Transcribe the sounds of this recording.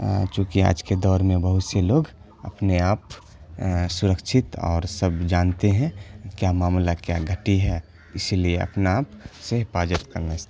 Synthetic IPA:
t͡ʃõːkia̰ːd͡ʒked̪ɔːɾmẽbəɦʊt̪seloːɡ | ə̰pneaːp | sʊɾəkʃʰɪt̪ɔ̰ːɾsəbd͡ʒaːnt̪eɦɛ̃kjamaːmlakjaɡʱəʈiɦɛ | ɪsilieə̰pnaaːpsepaːd͡ʒət̪kəɾnas

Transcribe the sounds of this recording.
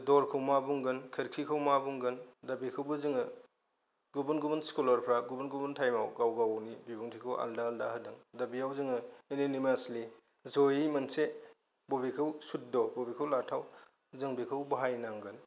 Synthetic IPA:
dɔɾkʰɯwmabuŋɡɯnkʰɐɾkʰikʰɯwmabuŋɡɯndɐbikʰɯwbuzɯŋɯ | ɡubunɡubunskulɔɾpʰɾaɡubunɡubuntʰajmawɡawɡawnibibuŋtʰikʰɯwʔa̰ldaːldaɦɯdɯŋdɐbijawzɯŋɯeninimasli | zojimɐnse | bobikʰɯwsut̚dɔbobikʰɯwlatʰaw | zɯŋbikʰɯwbaɦajnaŋɡɯn

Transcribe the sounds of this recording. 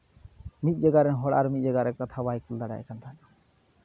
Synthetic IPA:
mit̪̚ˀd͡ʒaɡaɾɛnɦɔɽa̰ɾmit̪̚ˀd͡ʒɛɡaɾɛkat̪ʰabajkuld̪aɽa̰ʔɛ̰kant̪ʰan

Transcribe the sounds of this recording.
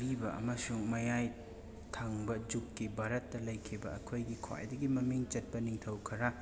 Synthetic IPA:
ɾibɐɐ̰mɐsuŋmɐjaj | tʰaŋbɐd͡ʒukkːibʱaɾɐtːɐlɐjkʰibɐɐkʰojɡikʰa̰j̰dɐɡimɐmiŋt͡ʃɐt̚pɐniŋtʰɐwkʰɐɾɐ

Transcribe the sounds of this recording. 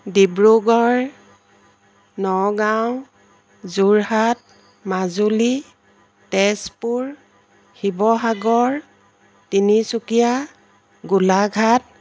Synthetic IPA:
dibɹuɡɔɹ | nɔɡaw | zuɹhat̚ | mazuli | tɛspuɹ | hibɔɦaɡɔɹ | tinisukija | ɡulaɡʱat̚

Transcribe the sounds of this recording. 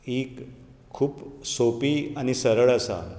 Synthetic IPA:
ekʰː | uːpsopiːañisəɾəɭəsa̰

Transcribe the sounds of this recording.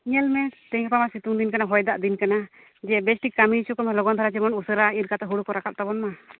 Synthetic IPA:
iɲɛlmɛt̪ɛɲapamasit̪uŋd̪inkanaɦɔjd̪aʔd̪inkana | d͡ʒɛbɛsʈikamiisukɔmɛlɔɡɔnt̪ʰaɾat͡ʃɛmɔnusəɾaiɾkat̪ɛɦuɽukɔɾakap̚t̪abɔnma

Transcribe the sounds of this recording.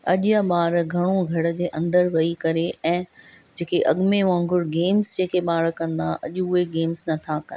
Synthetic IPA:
ɐʄjaɓaːɾɡʱɐɽ̃oɡʱɐɽə̆d͡ʑeːʔɐ̃nd̪əɾʋɐikɐɾeɛ̃ːd͡ʑeːkeʔɐɠmeʋãːŋɡʱʊɽɡeːmzd͡ʑeːkʰeɓaːɽkɐ̃nd̪aʔɐ̰ʄʊʊɦeɡeːmznɐt̪ʰakɐ̰

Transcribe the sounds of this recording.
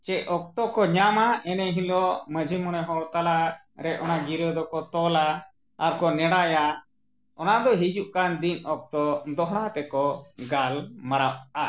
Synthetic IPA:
t͡ʃɛʔɔk̚t̪ɔkɔɲamaɛnɛɦĩlɔməd͡ʒʱimɔɽ̃ɛɦɔɽt̪ala | ɾɛʔɔnaɡiɾəd̪ɔkɔt̪ɔla | aɾkɔnɛɽaja | ɔnad̪ɔɦid͡ʒuʔkand̪inɔk̚t̪ɔd̪ɔɦɽ̃at̪ɛkɔɡalmaɾawʔa

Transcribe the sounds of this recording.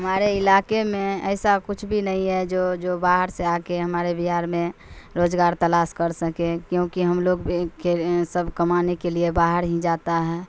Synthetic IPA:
ɦəmaːɾeɪlakemẽɛɪsakʊt͡ʃʰbʱinəĩɦɛd͡ʒoːd͡ʒobaːɦəɾseakeɦəmaːɾebiɦaːɾmẽɾoːd͡ʒɡaːɾt̪əlaːskəɾsəkekjõkiɦəmloːɡbʱikesəbʱkəmanekeliebaɦəɾɦĩd͡ʒaːt̪aɦɛː

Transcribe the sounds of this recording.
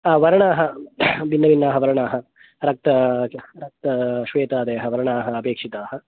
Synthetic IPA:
ʋɐɾɐɳaːɦɐbinːɐʋinːaːɦɐʋɐɾɐɳaːɦɐ̆ | ɾɐk̚t̪ɐɾɐk̚t̪ɐʃʋeːt̪aːd̪eːɐɦɐʋɐɾɐɳaːɦɐːpeːkʂit̪aːhɐ

